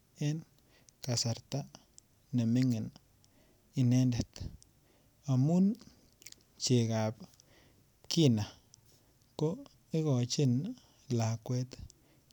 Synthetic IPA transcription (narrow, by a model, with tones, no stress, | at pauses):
e˦n | ka˨sa˨ɾt̪a˦ | ne˨mi˦ŋe˨n | i˧ne˦nde˨t̪ | a˨mu˦n | t͡ʃe˨ɡa˨p | ki˦na˨ | ko˦ | i˦ɣɔ˨t͡ʃi˦n | la˨kwe˦t̪